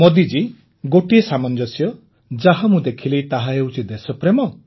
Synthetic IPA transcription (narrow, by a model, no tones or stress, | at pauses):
mod̪id͡ʒi | ɡoʈiesamɔnd͡ʒɔsjɔ | d͡ʒaɦamũd̪ekʰilejt̪aɦaewt͡ʃʰid̪esɔpɾemɔ